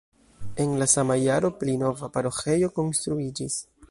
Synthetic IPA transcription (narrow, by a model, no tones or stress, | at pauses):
e̞nlasamajaɾo̞plino̞vapaɾo̞xe̞jo̞ko̞nst̪ɾuid͡ʒis